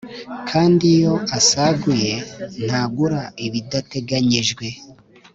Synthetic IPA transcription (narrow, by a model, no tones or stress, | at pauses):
kʰaːndijo̞ʔasaɡuje̞n̥haːɡuɾaiβidate̞ɡaɲiʒɡwe̞